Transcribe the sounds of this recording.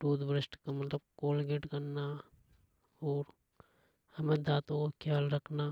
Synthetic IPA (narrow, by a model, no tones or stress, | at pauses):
ʈuːd̪bɾɪsʈkamɐt̪ləbkoːlɡeʈkɐɾna | ɔːɾ | hɐmẽd̪aːt̪õkokʰjaːlɾɐkʰna